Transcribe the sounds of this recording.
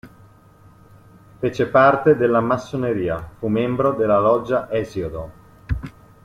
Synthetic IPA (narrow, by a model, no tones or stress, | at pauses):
fet͡ʃepart̪ed̪elːamasːoneɾiːafumembɾod̪elːalɔd͡ʒːaʔɛzjod̪o